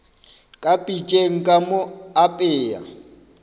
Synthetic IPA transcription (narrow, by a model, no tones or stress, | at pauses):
kʼapʼit͡ʃʼeŋ̩kʼamoapʼɪːa̰